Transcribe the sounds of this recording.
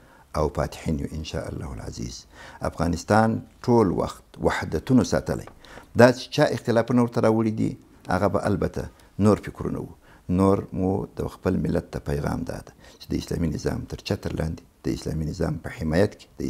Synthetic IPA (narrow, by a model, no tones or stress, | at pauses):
awpɑt̪ħinjuʔɪnʃɑ̰ʔalːɑhulʕa̰zḭz̥afɣɑnɪst̪ɑnʈʰolwa̰xt̪wahd̪at̪unosɑt̪əlʔa̰jd̪ɑt͡ʃe̥t͡ʃɑɪxt̪ɪlɑfunawəɾt̪aɾɑwəɽid̪ḭ | a̰ɣabaʔalbat̪ʰa | noɾfɪkɾṵna̰wu | noɾmud̪əxpəlmɪlːat̪ːapajɣɑmd̪ɑd̪ḁt͡ʃed̪əɪslɑminɪzɑ̰mt̪əɾt͡ʃat̪əɾlʔɑnd̪ed̪̥əɪslɑminɪzɑmpəħɪmɑjat̪ke̥d̪̥ə